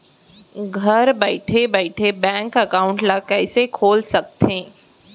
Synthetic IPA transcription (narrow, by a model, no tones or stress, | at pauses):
ɡʱɐɾbɛɪʈʰebɛːʈʰebɛ̃ːŋkɐkaːʊ̃ɳʈlakɛːsekʰoːlsɐk̚t̪ẽː